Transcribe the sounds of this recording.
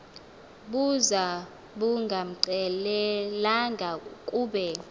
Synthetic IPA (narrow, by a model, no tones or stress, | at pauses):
ɓuza | ɓuŋɡʱam̩ǀɛlɛlaŋɡʱakʼuːɓɛ